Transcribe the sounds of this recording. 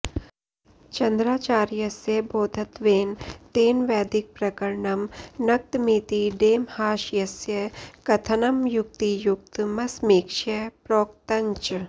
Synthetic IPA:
t͡ʃɐnd̪ɾaːt͡ʃaːɾjɐsjɐboːd̪ʱɐt̪ʋeːnt̪eːnʋɛːd̪ɪk̚pɾɐkɐɾɳɐmnɐk̚t̪miːt̪iɖeːmhaːʃjɐsjɐkɐt̪ʰɐnɐmjʊk̚t̪ijʊk̚t̪mɐsmiːkʃɐpɾoːk̚t̪ɐɲt͡ʃ

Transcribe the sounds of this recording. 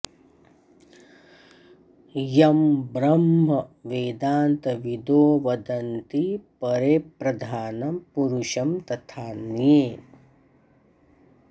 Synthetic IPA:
jɐmbɾɐmɦɐʋeːd̪aːnt̪ɐʋid̪oːʋɐd̪ɐnt̪ipɐɾepɾɐd̪ʱaːnɐpuɾuʃɐmt̪ɐt̪ʰaːnjeː

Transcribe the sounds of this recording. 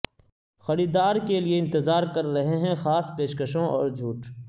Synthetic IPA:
xɐɾiːd̪aːɾkelieɪ̃nt̪ɪzaːɾkɐɾːɐɦeɦɛ̃xaːspeːʃkəʃõɔ̰ːɾd͡ʒʱuːʈ

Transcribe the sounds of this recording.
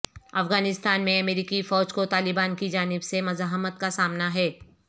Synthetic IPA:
ɐfɣaːnɪst̪aːnmẽɐmeːɾiːkifɔːd͡ʒkot̪aːlɪbaːnkid͡ʒaːnɪbsemɐzaːɦmət̪̚kasaːmnaɦɛː

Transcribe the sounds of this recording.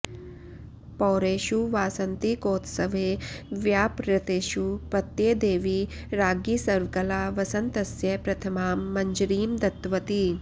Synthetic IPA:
pɔːɾeːʃuʋaːsɐnt̪ikoːt̪sɐʋeːʋjaːpɾɐt̪eːʃupɐt̪jeːd̪eːʋi | ɾaːɡiːsɐɾʋkɐlaːʋɐsɐnt̪ɐsjɐpɾɐt̪ʰɐmaːmːɐɲd͡ʒɾiːmd̪ɐt̪ːʋɐt̪i

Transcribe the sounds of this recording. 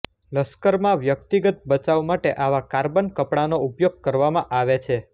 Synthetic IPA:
ləskəɾmãʋjək̚t̪iɡət̪̚bət͡ʃaʋmaʈeʔaʋakaɾbənkəpɽanoupjoɡ̚kəɾʋamãʔaʋet͡ʃʰe

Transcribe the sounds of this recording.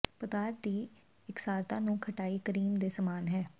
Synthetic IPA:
pət̪aːɾd̪iː | ɪksaːɾt̪ãːnũːkʰəʈaːiːkəɾiːmd̪eːsəmaːnɦɛː

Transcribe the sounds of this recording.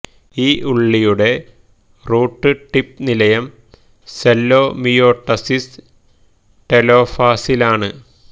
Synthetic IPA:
iːʔuɭːijuɽe̞ | ruːʈːɨʈip̚nilɐjɐm | selːo̞ːmijo̞ːʈːɐsis | ʈelo̞ːfaːsilaːɳɨ

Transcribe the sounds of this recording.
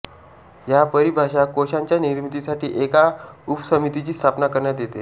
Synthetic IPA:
japəɾibʱaɕakoɕaɲt͡ɕjaniɾmit̪isaʈʰiːʔekaupsəmit̪it͡ɕiːst̪ʰapnakəɾɳjat̪jet̪e

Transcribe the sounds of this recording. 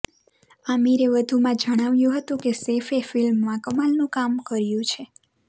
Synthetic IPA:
amiɾeʋəd̪ʱumãd͡ʒəɽ̃aʋjũɦət̪ũkesefefilmːãkəmalnũkamkəɾjũt͡ʃʰe

